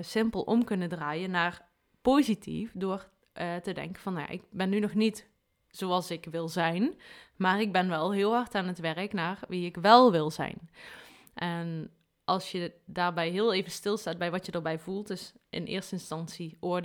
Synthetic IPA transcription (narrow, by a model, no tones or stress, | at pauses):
sɪmpəlˠʔɔ̰mkɵnəndraːjənːaːr | poːzitʰḭfdʊːr | tədɛ̰ŋkənvɑnja̰ʔɪ̰k̚bɛnːynɔxnit | z̥oɑlˠsɪkʋɪlˠzɛjnmaːrɪɡ̚bɛnʋɛlˠɦɪəlˠɦɑrtaːnətʋɛrəknaːrʋiɪkʋɛlˠʋɪlˠzɛ̰jn | ʔɛn | ʔɑlˠsjədaːrbɛjɦɪəlˠeːvənstɪlˠstaːd̚bɛjʋɑtjədəɹbɛjvulˠtɪsɪ̰nʔɪ̰ːrstəɪnstɑnsiʔod